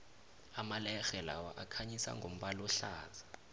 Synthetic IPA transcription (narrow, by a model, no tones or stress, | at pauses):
amalɛxɛla̰wa̰ʔakʰaɲisa̰ŋɡʱom̩ɓalɔɬaːt͡sʰḁ